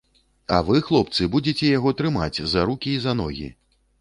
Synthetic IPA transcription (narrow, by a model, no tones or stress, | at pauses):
ɐ̰vɨxlˠɔp̚t̪sɨbud͡zʲet͡sʲɛjaɣɔt̪ɾɨmat͡sʲzɐɾukʲiːzɐnɔ̰ɣʲḭ